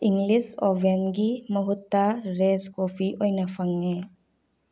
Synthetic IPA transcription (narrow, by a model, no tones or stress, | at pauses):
iŋɡlisɔbenɡiməɦut̪ːaɾeskopʰiʔojnafʰaŋːe